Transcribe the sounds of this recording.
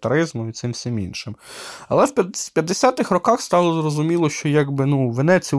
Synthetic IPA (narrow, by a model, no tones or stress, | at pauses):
t̪ɐɾɪzmʊmit̪sɪmwsʲɪmḭnʃɪmɐ̰lˠɛwpʲɐpʲjɐd̪ːesʲat̪ɪxrɔkɑxst̪ɑlˠɔzrɔzʊmʲilˠɔʃt͡ʃɔjaɡbɪnuʋenɛt͡sʲi